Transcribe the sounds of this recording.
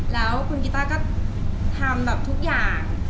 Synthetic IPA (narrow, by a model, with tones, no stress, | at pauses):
lɛː˨˦˥wkʰu˧nki˨˦˩t̪aː˥˩ka˦˥p̚t̪ʰaː˧mla˨˩p̚t̪ʰu˦˥k̚jaː˨˩ŋ